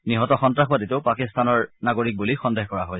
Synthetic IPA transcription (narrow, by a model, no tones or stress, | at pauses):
niɦɔtɔxɔntɹaxbaditeʊpakist̪anɔɹnaɡoɹik̚bulixɔndeɦkɔɹaɦoj